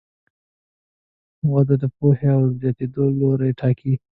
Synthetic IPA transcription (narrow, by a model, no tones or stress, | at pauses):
mwad̪od̪əpoheawzjɑt̪ed̪oloɾaʈʰɑkʰi